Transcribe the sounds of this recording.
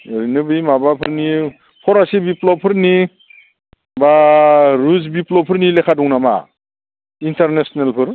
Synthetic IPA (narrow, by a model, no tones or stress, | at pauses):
ɾinɯbɯjmabapʰɯɾni | pʰɔɾasibiplɔpʰɯɾni | baɾuzbiplɔpʰɯɾnilekʰadɔŋnama̰ | intaɾnesnelpʰɯɾ